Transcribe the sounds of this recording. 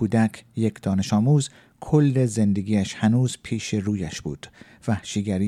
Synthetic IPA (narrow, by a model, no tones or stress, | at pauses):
kuːd̪ækʰjekʰd̪̥ɒːne̞ʃɒːmuːz | kʰolːeze̞nd̪eɡʲiːæʃhænuːzpʰiːʃeruːjæʃb̥ṵːd̪̥ | væhʃiɡæɾiː